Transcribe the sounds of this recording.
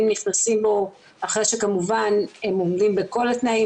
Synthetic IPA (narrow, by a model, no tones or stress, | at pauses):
mniχnasimbo̞ | aχʁejʃekamuvane̞momdimbeko̞lat̪nai